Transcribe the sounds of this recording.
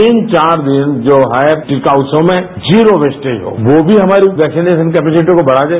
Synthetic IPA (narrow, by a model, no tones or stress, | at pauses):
iːnt͡ʃaːɾd̪ɪnd͡ʒoːɦʈɪkaːʊsõmẽ | d͡ʒiːɾoʋeːsʈeiɦo̰ːʋobʱiɦɐmaːɾiʋɛːksineːʃənkɛːpɛːsɪʈõkobɐɽ̤ad͡ʒae